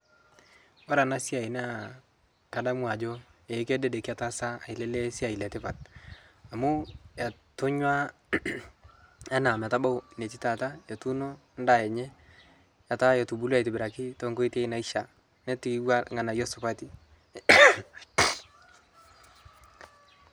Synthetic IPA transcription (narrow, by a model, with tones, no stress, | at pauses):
ɔ˦ɾa˨na˦si˦a˨i˨na˦ | ka˨da˦mwa˨d͡ʒɔ˦e˨˦ke˦dɛ˦dɛ˨kɪ˦a˨ta˦sa˦a˨i˨lɛ˦le˦si˦a˨i˨lɛ˨tɪ˦pa˨t̚ | a˨mu˦ja˨tʊ˦ɲwa˦ | a˦na˨m˨a˨ta˦ba˦wne˨ti˦ta˨ta˦ja˨tu˦no˦ | nda˨jɛ˨ɲɛ˦ | ja˨ta˦jɔ˨tu˨bu˦la˨jtɪ˨bɪɾa˨kɪ˦tɔ˦ŋko˦i˦te˦i˦na˨i˦ʃa˨ | nɛ˦ti˦wa˦ŋa˨na˨jo˦sɔ˨pa˦ti˦